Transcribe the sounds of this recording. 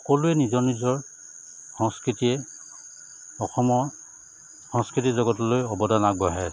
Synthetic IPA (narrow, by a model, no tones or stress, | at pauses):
ɔkɔlʊɛnizɔɹnizɔɹ | xɔŋskɹitiɛ | ɔxɔmɔ | xɔ̃ŋskɹitizɔɡɔtlojɔbɔdanaɡɡbɔɦɛ